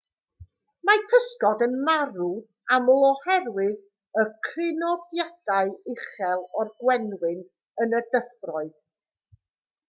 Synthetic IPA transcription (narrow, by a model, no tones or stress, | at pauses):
mapʰəskɔdənmaɾu | amlˠɔhɛrwɨð | əkʰrɪnɔdjad̥aɨɪχɛlˠɔrɡwɛnwɪn | ənədəfrɔɨð